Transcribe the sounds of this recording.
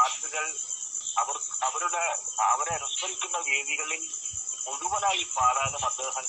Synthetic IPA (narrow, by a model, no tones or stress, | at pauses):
aːrt̪ɨɣɐɭɐʋɐrɐʋɐɾuɽeɐ̰ʋɐɾerɐspɐɾikʲːunːɐʋeːðiɣɐɭilkoɽuʋɐnaːjipaːðɐjenːɨpɐd̪ːeːɦɐn